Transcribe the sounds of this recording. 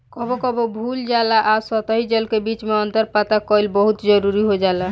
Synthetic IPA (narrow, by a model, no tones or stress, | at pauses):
kɔbokɔbobʱuld͡ʒalaʔasɔt̪əɦid͡ʒəlkebit͡ʃmeɔnt̪əɾpat̪akɔilbɔɦut̪d͡ʒəɾuɾiɦod͡ʒala